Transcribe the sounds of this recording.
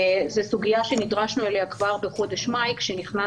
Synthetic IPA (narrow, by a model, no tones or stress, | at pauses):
zesuɡijaʃe̞nid̪ʁaʃnuelejakvaʁbeχo̞de̞ʃmajkʃeniχna